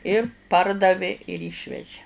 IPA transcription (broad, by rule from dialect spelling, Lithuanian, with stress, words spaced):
ɪr ˈpɐrdɐʋʲeː ɪr ˈiːʃʲʋʲɛʒʲɪ